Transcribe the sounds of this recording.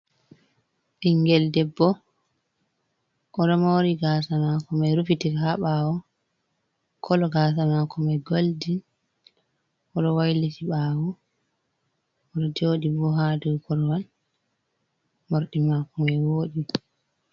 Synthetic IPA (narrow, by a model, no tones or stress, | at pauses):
ʔiŋɡɛldɛbːɔ | ʔɔɗɔmoɾiɡasamakɔmɛɾufitihaɓawɔ | kʰɔlɔɡaːsamakɔmɛɡoldin | ɔɗɔwajlitiɓawɔ | ɔɗɔd͡ʒoɗibɔɦaːdukʰɔlɔwal | moɾɗimakɔmɛwoːɗi